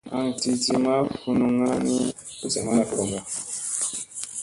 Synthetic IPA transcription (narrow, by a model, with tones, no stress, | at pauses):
a̰˦ŋ˨ti˦ti˦ma˦fu˦nu˦ŋa˦ni˦ | u˨sa˨ŋa˦na˨fu˦ɾo˨mɡa˨